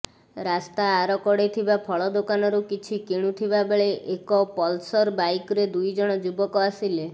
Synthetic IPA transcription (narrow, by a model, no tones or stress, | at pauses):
ɾast̪aːɾɔkɔɽet̪ʰibapʰɔɭɔd̪okanɔɾukit͡ʃʰikiɽ̃ut̪ʰibabeɭeʔekɔpɔlsɔɾbajkɔɾed̪ujd͡ʒɔɽ̃ɔd͡ʒubɔkɔasile